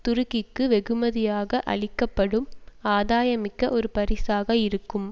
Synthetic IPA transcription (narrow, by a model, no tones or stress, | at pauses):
t̪ʊɾɯɣɪkːɯʋɛɣɯmɐðɪjaːɣɐʔɐ̰ɭɪkːɐpːɐɽɯmaːðaːjɐmɪkːɐʔɔɾɯpɐɾɪsaːɣɐɪɾɯkːɯm